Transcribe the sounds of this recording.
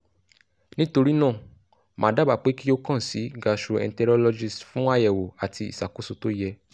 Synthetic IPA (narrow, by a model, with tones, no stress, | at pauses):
nĩ˦to˧ɾi˦nãː˦˨ | mʔãː˨˦da˦ba˨k͡pe˨˦ki˦jo˦kã˦˨si˨˦ɡa˧ʃu˧ɛ̰˧n˧tɛ˧ɾɔ˦lɔ˧d͡ʒi˧sfũ˦a˦jɛ˨wo˨a˨tʰi˧ḭ˨sa˨ku˦su˧to˦jɛ˧